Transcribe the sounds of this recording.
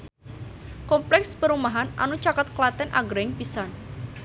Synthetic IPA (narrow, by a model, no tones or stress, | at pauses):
kɔmplɛkspəɾumaɦanʔa̰nut͡ʃakət̪̚klat̪ɛnʔa̰ɡɾɪŋpisan